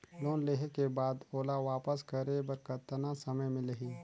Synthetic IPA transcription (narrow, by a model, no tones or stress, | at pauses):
loːnleːɦekebaːd̪oːlaʋaːpəskəɾebɐɾkɐt̪nasɐməjmɪ̃ləɦiː